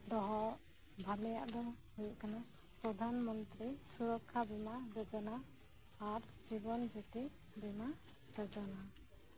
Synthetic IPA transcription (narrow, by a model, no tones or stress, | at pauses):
d̪ɔɦɔ | bʱalɛjaʔd̪ɔ | ɦujʔkana | pɾɔd̪ʱanmɔnt̪ɾisuɾɔkʰːabɛmad͡ʒɔd͡ʒɔnaː | ɾ | d͡ʒibɔnd͡ʒɔt̪i | bɛma | d͡ʒɔd͡ʒɔna